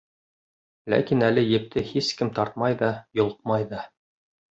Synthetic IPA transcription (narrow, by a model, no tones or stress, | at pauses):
læ̰kinælɘjɘ̆p̚t̪ʰɘhiskɘmt̪ɑɾt̪̚mɑjðɑjŏlˠqmɑjðɑ